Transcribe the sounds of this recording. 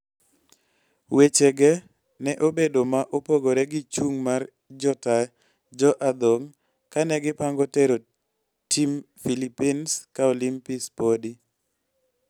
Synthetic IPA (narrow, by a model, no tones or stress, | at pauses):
wet͡ʃeɡɛ | nɛʔobedomaʔopoɡoɾɛɡɪt͡ʃuŋmar | d͡ʒɔta | d͡ʒɔʔad̪oŋ | kanɛɡɪpaŋɡɔteɾo | tim | filipinskaolimpispodi